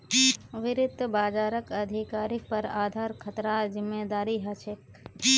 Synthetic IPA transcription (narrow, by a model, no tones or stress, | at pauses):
ʋɪɾɪd̪ʱbaːd͡ʒaːɾəkɐd̪ʱɪkaːɾik̚pɐɾaːd̪ʱaːɾkʰɐt̪ɾazɪmːeːd̪aːɾiɦɐt͡ʃʰek